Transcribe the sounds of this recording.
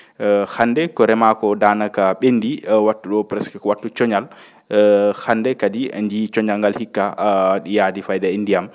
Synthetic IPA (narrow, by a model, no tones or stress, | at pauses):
handɛkɔɾɛmakɔdaːnakaɓendiwatːuɗɔpɾɛskakɔwatːut͡ʃɔɲal | handɛkadḭnd͡ʒit͡ʃɔɲalŋɡalhikːaɗijadifajdaindijam